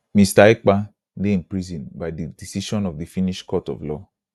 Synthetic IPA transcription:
mistaek͡pa | dein̩pɾizĩnbajdidisiʃɔ̃nɔvdifiniʃkɔtɔ̰vlɔ

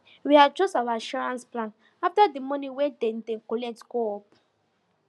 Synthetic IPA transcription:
wiat͡ʃosawaaʃɔɹãnsplãn | aftadimɔnĩwɛdɛ̃n̩dɛ̃ŋ̩kolɛtɡoɔp

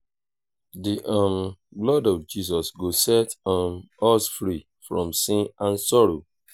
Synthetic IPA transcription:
diʔɔ̃mblɔdɔvd͡ʒisɔsɡosɛtɔ̃n | ɔsfɾi | fɹɔ̰̃msĩnãnsɔɾo

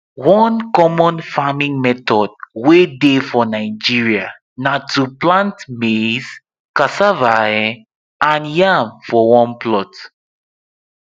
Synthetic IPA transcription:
wɔ̃nkɔmɔ̃nfamĩŋmɛtɔd̚wedefɔnaɪd͡ʒiɹia | natʰuplãntmez | kasavaɛ | ʔãnjãmfɔwɔ̃nplɔt

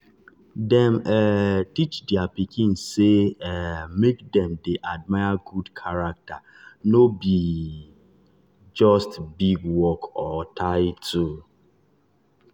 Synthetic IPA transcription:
dɛ̃mɛtit͡ʃdɪapikʰĩnseɛmek̚dɛ̃mdeʔad̚maɪaɡudkʰaɾak̚ta | nobi | d͡ʒɔstbiɡwɔkɔtʰaɪtʰu

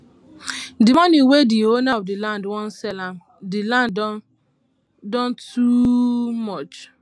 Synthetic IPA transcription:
dɪmaniwedionaɔdɪlandwɔn̩sɛla | dɪlan | dɔntʰumɔt͡ʃ

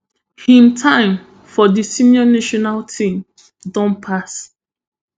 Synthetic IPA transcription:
hĩmtʰãɪ̃m | fɔdisĩnjɔnaʃɔnaltʰĩm | dɔ̃npʰas

